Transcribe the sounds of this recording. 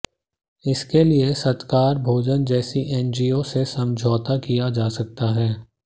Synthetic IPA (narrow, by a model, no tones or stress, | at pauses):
ɪskeliesɐt̪kaːɾbʱoːd͡ʒənd͡ʒɛːsiʔɛ̃ːnd͡ʒiːosesɐ̃md͡ʒʱɔːt̪akijad͡ʒaːsɐk̚t̪aɦɛː